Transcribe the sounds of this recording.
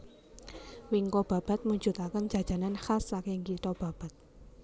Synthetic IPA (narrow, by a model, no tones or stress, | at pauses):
wɪŋkob̥a̤b̥a̤t̪̚muɲd͡ʒ̥ṳt̪akən̥d͡ʒ̥a̤̥ʒ̥a̤nanxasːakɪŋkit̪ɔb̥a̤b̥a̤t̪̚